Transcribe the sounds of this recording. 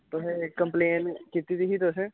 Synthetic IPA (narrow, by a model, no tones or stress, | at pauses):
t̪oɦẽkəmpleːnkit̪iːd̪iɦiːt̪ʊsẽ